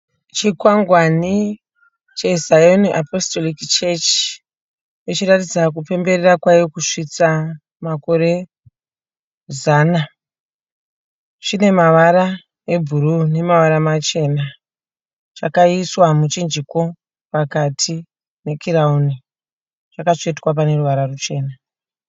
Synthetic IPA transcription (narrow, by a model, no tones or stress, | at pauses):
t͡ʃikwaŋɡwani | t͡ʃe̞zajoniʔapostolikt͡ʃet͡ʃi̥ | jot͡ʃiɾatid͡zak̬upe̞mbe̞rerakwajekuʂit͡sa | mako̞ɾe̞ | zaːna | t͡ʃine̞maʋaɾa | e̞bʱuɾune̞maʋaɾamat͡ʃe̞na | t͡ʃakaiswamut͡ʃind͡ʒiko̞ | pakatʰi | ne̞kʰirauni | t͡ʃakat͡ʃo̞itwap̬ane̞ruʋaɾarut͡ʃe̞ːna